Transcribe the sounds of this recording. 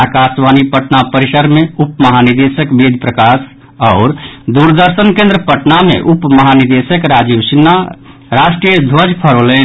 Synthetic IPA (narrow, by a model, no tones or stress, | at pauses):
akasʋanipəʈnapəɾisəɾmeupməɦaniɾd̪esəkbed̪ʱpɾəkas | ɔːɾd̪uɾd̪əɾsənkẽnd̪ɾəpəʈnamḛ̃ʔupməɦaniɾd̪esəkɾaːd͡ʒiʋsinːa | ɾaʃʈɾijəd̪ʱwəd͡ʒpʰəɾoːle